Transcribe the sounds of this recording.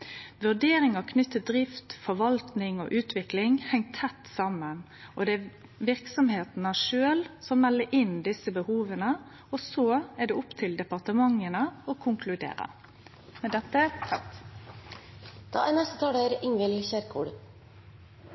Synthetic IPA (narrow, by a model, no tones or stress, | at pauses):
ʋʉɖeːɾɪŋɑkʰnʏt̪ːəd̪ɾɪft̪fɔʋɑlt̪nɪŋo̰ːʔʉːt̪ʰʋɪklɪŋhɛŋt̪ʰːɛt̪ːsɑmːən | ʔɔd̪ɛæ | ʋɪʁksɔmheːt̪n̩ɑʂøːlsɔmmɛlːəɾʔɪnd̪ɪsəbəhuːʋənə | ɔsoːɛɖɛːʊpt̪ʰɪld̪ɛpɑʁt̪əmɑŋːənəɔkʰʊŋkʰlʉd̪ḛːɾə̰ | mɛd̪ɛt̪ːə | d̪̥ɑ̰ːæɾnɛst̪ət̪ʰɑːɽəɾɪŋʋɪlçæɾkʰṵːɽ